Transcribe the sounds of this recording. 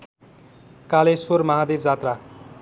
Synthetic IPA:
kalesoɾmʌɦad̪ebd͡zat̪ra

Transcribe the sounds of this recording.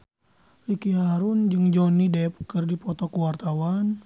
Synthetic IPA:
rikiɦaɾund͡ʒɨŋd͡ʒɔnidɛp̚kɨrdipɔt̪ɔkuwart̪awan

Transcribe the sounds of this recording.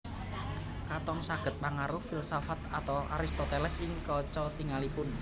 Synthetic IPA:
kat̪ɔŋsaɡ̥ə̤t̪̚paŋaɾʊfilsɔfat̪at̪ɔwʔa̰ɾist̪ɔt̪ɛlɛsiŋkɔt͡ʃɔt̪iŋalipʊn

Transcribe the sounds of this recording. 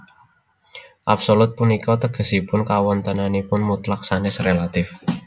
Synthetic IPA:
ʔapsolʊt̪̚punikɔt̪əɡ̥ə̤sipʊnkawɔnt̪ənanepʊnmut̪lak̚sanɛsrelat̪ɪf

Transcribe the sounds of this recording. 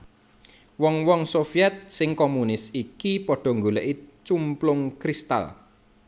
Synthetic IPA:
wɔŋwɔŋsofiɛt̪̚sɪŋkomunɪsikipɔɖ̥ɔ̤ŋɡulɛ̰ʔit͡ʃumplʊŋkɾist̪a̰l

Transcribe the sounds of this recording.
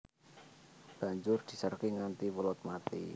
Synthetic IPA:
b̥ä̤ɲd͡ʒʊrd̪̥i̤sərkiŋant̪iwəlɔt̪̚mat̪ḭ

